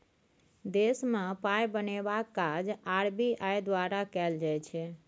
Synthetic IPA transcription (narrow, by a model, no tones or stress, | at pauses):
d̪esmepajbənebakːad͡ʒaɾbiʔajd̪waɾakɛld͡ʒajt͡ʃʰɛ